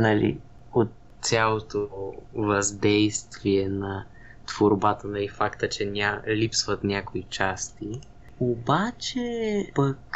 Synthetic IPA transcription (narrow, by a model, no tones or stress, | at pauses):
nɐlḭot̪ | sʲjalˠot̪ovɐzd̪ɛjst̪viɛnɐ | t̪v̥oɾbat̪ənɐlifakt̪ət͡ʃɛnʲalipsvət̪nʲakoit͡ʃast̪i | obat͡ʃɛpək